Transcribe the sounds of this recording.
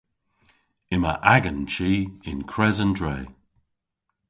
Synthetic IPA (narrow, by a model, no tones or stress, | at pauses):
ɪmə̰ʔaɡənt͡ʃiːɪnkʰɹɛzəndɹeː